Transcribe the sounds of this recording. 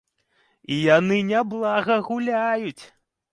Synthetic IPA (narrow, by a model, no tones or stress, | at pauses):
ijanɨnʲablˠaɣɐɣulʲajut͡sʲ